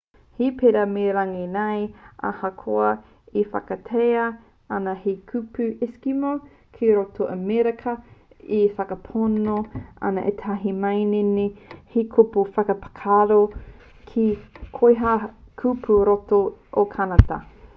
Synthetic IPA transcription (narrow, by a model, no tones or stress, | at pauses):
hipeɾɐmeɾaŋenajʔa̰hɐkʰoɐ | ifɐ̰kɐtʰeɐ | anɐhikʰʉpʉʔɪskimo | kʰiɾotoʔɐmeɾɐkʰɐ | ifɐkɐpʰonoa̰nɐʔet̪ʰaɦimɐjnenehikʰopufɐkɐpḁkʰaɾo | kʰikʰojɦakʰupʰuɾotoʔokʰanɐtɐ̰